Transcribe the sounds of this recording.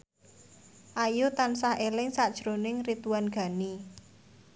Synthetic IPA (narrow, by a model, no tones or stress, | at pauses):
ʔajut̪ansahʔelɪŋsad̥ʒ̥ɾonɪŋrit̪uanɡ̥a̤ni